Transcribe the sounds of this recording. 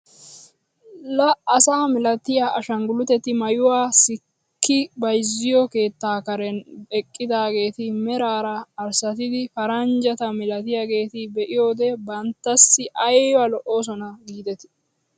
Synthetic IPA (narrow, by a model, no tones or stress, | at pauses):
lɐɐsaːmɪlɐt̪ɪjaːʔɐʃɐŋɡʊlʊt̪ɛt̪ːɪmɐjʊwaːsɪ | kːɪbɐjzːɪjɔke̞ːt̪ːaːkɐɾɛnɛkʼːɪd̪aːɡe̞ːt̪ɪmɛɾaːɾɐːɾsɐt̪ɪd̪ɪfɐɾɐnd͡ʒɐt̪ɐmɪlɐt̪ɪjaɡe̞ːt̪ɪbɛʔɪjo̞ːd̪ɛbɐnt̪ːɐsːɪʔɐjwɐlɔʔo̞ːs̬ɔnɐɡiːd̪ɛt̪ɪ̥